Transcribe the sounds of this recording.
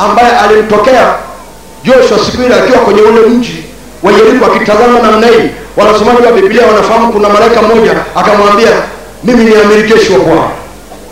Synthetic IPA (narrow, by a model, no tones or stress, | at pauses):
ambajɛʔalim̩tɔkɛa | d͡ʒɔʃwasipiɾiakiwakwɛɲɛwɔlɛm̩d͡ʒi | waiɛɾikuakitazamanam̩naiwanasɛmaʄiwabipiliawanafaham̩ukunamalaikamɔʄaːkamwambia | miminiamiɾid͡ʒɛʃiwapwalaa